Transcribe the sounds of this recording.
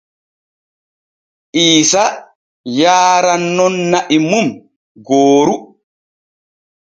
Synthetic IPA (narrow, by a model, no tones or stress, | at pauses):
ʔiːsa | jaːɾanːɔnːaʔimum | ɡoːɾu